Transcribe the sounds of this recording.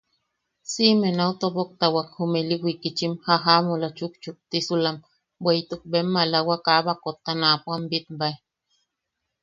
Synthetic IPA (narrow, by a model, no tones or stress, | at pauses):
simenaut̪obok̚t̪awakhumeliwikit͡ʃimhaɦamulat͡ʃuk̚t͡ʃuk̚t̪isulam | bwejt̪uk̚bemːalawakaβakot̪ːanapwambit̪bae